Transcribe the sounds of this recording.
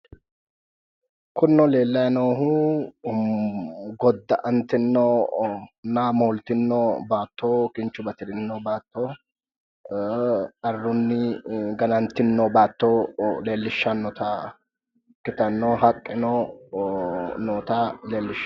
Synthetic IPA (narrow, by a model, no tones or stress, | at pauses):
kʊnːɔle̞ːlːɐjɐnoːɦu | ɡɔd̪ːɐ̰ʔɐnt̪ːɪnːo | namoːlt̪ɪnːoːbaːt̪ːoːkɪnt͡ʃːʊbɐt̪ɪd̪ɪnːoːbaːt̪ːoː | ɐrːʊnːɪɡɐnɐnt̪ːɪnːoːbaːt̪ːoːle̞ːlːɪʃːɐnːɔt̪ɐ | kːɪt̪ɐnːoːɦɐkʼːɪnoː | noːt̪aleːlːɪʃ